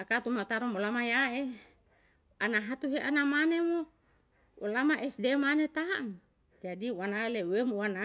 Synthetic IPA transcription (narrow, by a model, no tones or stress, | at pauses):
akat̪umat̪aɾɔmolamajae | anaɦat̪uɦeʔanamanemo | ulamaʔɛsdemanet̪aŋ | d͡ʒadiwanalewemuwana